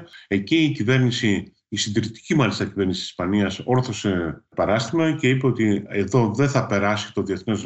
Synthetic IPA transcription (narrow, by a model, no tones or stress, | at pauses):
e̞ciːcive̞ɾnisiː | sind̪iɾit̪i̥cimɐlist̪ɐcive̞ɾnisisi̥spɐniɐso̞ɾθo̞se̞pɐɾɐst̪imɐce̞ipe̞o̞t̪ieðo̞ðe̞θɐpe̞ɾɐsi̥t̪o̞ðie̞θnez